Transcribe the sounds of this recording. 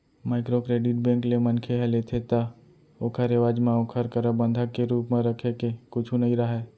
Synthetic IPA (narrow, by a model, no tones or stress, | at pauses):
maːɪkɾokɾeːɖɪʈbɛ̃ːŋklemɐnkʰeɦɛlet̪ʰet̪a | okʰəɾeʋaːd͡ʒmãokʰəɾkəɾəbə̃nd̪ʱakeɾuːpmẽɾəkʰekekʊt͡ʃʰũnɐɦĩɾaɦeː